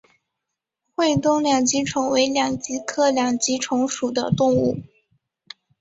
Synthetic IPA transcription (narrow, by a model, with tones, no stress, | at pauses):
xwe˥˧ɪt̪ʊ˥˩ŋljɑ˨˩ŋt͡ɕi˧˥ʈ͡ʂʰʊ˧˥ŋwe˧˥ɪljɑ˨˩ŋt͡ɕi˧˥kʰɤ˥˩ljɑ˨˩ŋt͡ɕi˧˥ʈ͡ʂʰʊ˧˥ŋʂu˨˩d̪ə̰˦t̪ʊ˥˧ŋu˥˩